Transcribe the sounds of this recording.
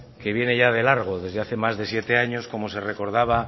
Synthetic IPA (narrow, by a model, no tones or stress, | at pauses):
ke̞βje̞ne̞ʝað̞e̞laɾɣ̞o̞ðe̞zðe̞aθemazðe̞sje̞t̪e̞aɲo̞sko̞mo̞se̞reko̞ɾð̞aβ̞a